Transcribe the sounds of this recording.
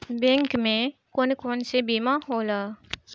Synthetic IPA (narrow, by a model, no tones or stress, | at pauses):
bɛ̃ːŋkmẽkoːnkoːnsebiːmaɦoːlaː